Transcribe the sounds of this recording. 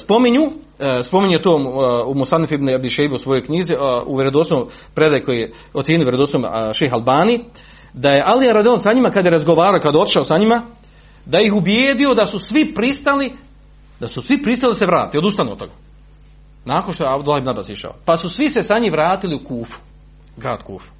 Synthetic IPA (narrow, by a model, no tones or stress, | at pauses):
spo̞miɲu | spo̞miɲujet̪oːumusanːifibnabliʃejbuusʋo̞jo̞jkɲiziṵʋʲjeɾed̪osom | pɾed̪ajekojije | ot̪seːniojeɾed̪ot̪somʃexalˠbaːni | d̪aje̞ʔaliaɾad̪lonsaɲimakad̪je̞ɾazɡoʋaːɾaokad̪eo̞t̪i̥ʃaosaɲima | d̪ajixubjeːd̪io̞d̪asusʋipɾist̪ali | d̪asusʋipɾist̪ald̪aseʋɾaːt̪iod̪ust̪anuot̪o̞ɡa | naːkonʃt̪ojeabd̪lahebnabasiʃa̰o̰pasusʋise̞saɲiːmʋɾaːt̪iliukuːfu̥ | ɡɾa̰ːd̪̥kṵːfu̥